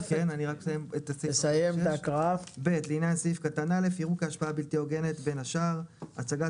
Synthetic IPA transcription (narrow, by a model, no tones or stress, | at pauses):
kenaniʁaksajemetassajemt̪akʁafbe̞tleinjansifkatanale̞fiʁukeaʃpaabilt̪ioɡe̞net̪be̞naʃaʁat͡saɡa